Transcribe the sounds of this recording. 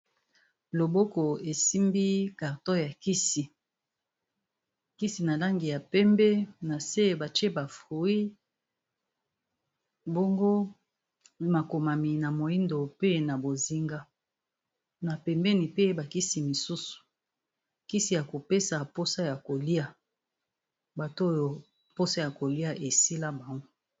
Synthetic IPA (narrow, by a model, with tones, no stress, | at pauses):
lo˨bo˦ko˨e˨si˦mbi˦ka˨ʁtɔ˦ja˨ki˦si˨ | ki˦si˨na˨la˦ŋɡi˨ja˨pɛ˦mbɛ˦na˨se˦˨ba˨te˦ba˨fʁu˨i˦ | bo˦ŋɡo˦ | ma˨ko˨ma˨mi˨na˨mo˨i˦ndo˨pe˦na˨bo˨zi˦ŋɡa˦ | na˨pɛ˨mbɛ˦ni˨pe˦ba˨ki˦si˨mi˨su˦su̥˨ | ki˦si˨ja˨ko˨pe˦sa˨po˦sa˦ja˨ko˨li˦a˨ | ba˨to˦jo˨ | po˦sa˦ja˨ko˨li˦a˦ʔe˨si˦la˦ba˨ŋɡo˦